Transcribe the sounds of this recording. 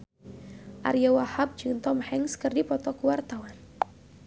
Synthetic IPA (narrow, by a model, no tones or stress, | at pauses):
ʔa̰ɾjawahap̚d͡ʒunt̪ɔmhɛŋskərdipɔt̪ɔkuwart̪awan